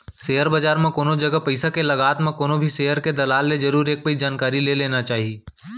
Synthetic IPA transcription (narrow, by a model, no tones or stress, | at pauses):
seːɦəɾbad͡ʒaːɾmẽkoːnod͡ʒɐɡəpɐɪsakelɐɡaːt̪mẽkoːnobʱiseːɦəɾked̪ɐlaːlːed͡ʒɐɾuːɾeːk̚pəid͡ʒaːnkaːɾileleːnat͡ʃaːɦieː